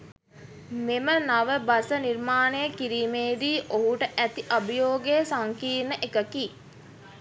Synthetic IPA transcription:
memənaʋəbasənirmaːnejəkiɾiːmeːd̪iːʔoɦuʈəʔæt̪iʔabəjoːɡeəsaŋkiːnəʔekəkiː

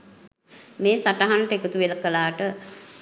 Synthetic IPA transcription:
meːsaʈaɦanʈekut̪uʋeləkəlaːʈə

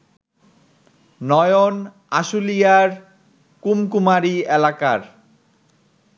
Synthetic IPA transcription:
nɔjon | aʃulijaɾ | kumkumaɾielakaɾ

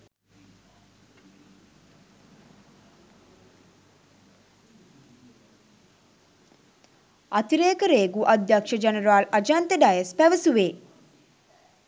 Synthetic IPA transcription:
ɐt̪iɾeːkəɾeːɡuʔad̪jakʂɐd͡ʒenəɾaːlɐd͡ʒaːnt̪əɖajəspæʋəsuʋeː

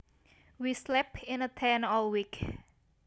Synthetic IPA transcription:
wislɛpɪ̃nət̪ʰɛnɔlwik

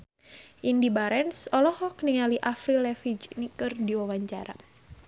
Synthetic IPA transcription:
ʔindibaɾɛnsɔlɔhɔkniŋaliʔafɾilɛfid͡ʒnikɨrdiwawaɲt͡ʃa̰ɾa̰

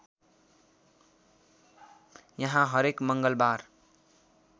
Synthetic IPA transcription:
jʌɦãɦʌɾekmʌŋɡʌlbaɾ

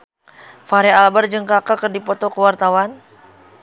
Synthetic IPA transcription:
faɾɛalbard͡ʒɨŋkakakərdipɔt̪ɔkəwart̪awan

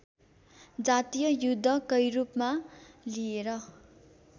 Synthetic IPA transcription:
d͡zat̪ijʌjud̪ʱːʌkʌjɾupmalieɾʌ

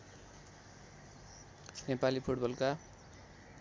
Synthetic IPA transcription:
nepalipʰuʈbʌlka

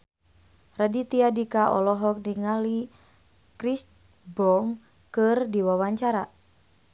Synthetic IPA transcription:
radit̪iadikaʔɔlɔɦɔk̚niŋali | kɾis | bɔŋ | kɨrdiwawaɲt͡ʃaɾa

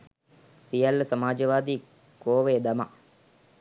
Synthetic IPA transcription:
sijalːəsɐmaːd͡ʒəʋaːd̪iː | koːʋed̪ama̰

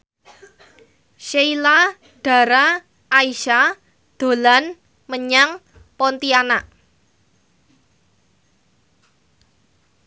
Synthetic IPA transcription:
ʃeila | ɖ̥a̤ɾa | ʔːiʃa | d̪̥o̤lan | məɲaŋ | pɔnt̪ianaʔ

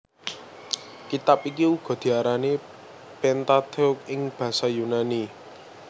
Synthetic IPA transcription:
kit̪apik̬iuɡ̥ɔ̤d̪̥i̤aɾane | pɛnt̪at̪ɔk̚ɪŋb̥ä̤sajunani

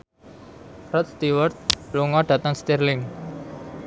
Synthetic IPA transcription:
rɔt̪̚st̪iwərt̪̚luŋɔɖ̥a̤t̪aŋst̪irlɪŋ

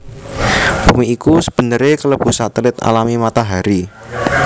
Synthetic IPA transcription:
b̥ṳmiːkusəb̥ə̤nəɾekələb̥ṳsat̪əlɪt̪a̰lamimat̪aɦaɾi

